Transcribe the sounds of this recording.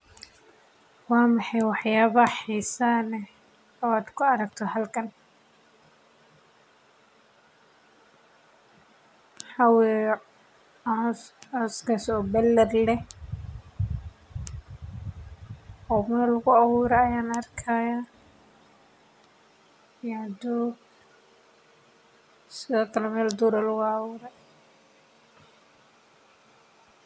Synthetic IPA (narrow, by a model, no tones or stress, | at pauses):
wɑːmɑħɑjwɑħjaːβɐħiːsaːnɛ | ɔaːd̪kʰʊɐɾɐk̚t̪ʰɔhɐlkʰɐn | ħawɛ | ɔskɐsɔːbɛlːɛrlɛh | ɔːmɛːlʊɣʊawuːɾɛːjaːnɐrkʰaːja | jad̪uːɡ | sɪðɔːkʰɐlɛmɛːld̪uːɾalʊɣʊawʊːɾɛ